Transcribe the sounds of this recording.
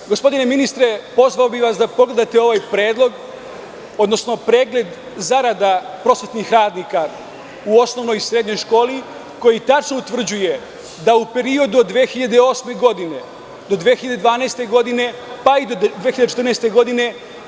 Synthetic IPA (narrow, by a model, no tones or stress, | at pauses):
ɡospo̞d̪ine̞minist̪ɾe̞po̞zʋaobiʋasd̪apo̞ɡle̞d̪at̪eo̞ʋajpɾeːd̪lˠo̞ɡ | o̞d̪no̞sno̞pɾe̞ːɡle̞d̪ | zaɾad̪apɾo̞ːsʋet̪nixɾaːd̪nika | uo̞sno̞ʋno̞jsɾe̞d̪ɲo̞jʃko̞ːli | ko̞jit̪at͡ʃno̞ut̪ʋr̩d͡ʑuje̞ | d̪aupe̞ɾio̞d̪uod̪ːʋexiʎad̪eo̞ːsme̞ɡo̞d̪ine̞ | d̪o̞d̪ʋeːxiʎad̪ed̪ʋaːnaːst̪e̞ɡo̞d̪ine̞ | paid̪od̪eːiʎadet͡ʃe̥t̪rnaɛest̪e̞ɡo̞d̪ine̞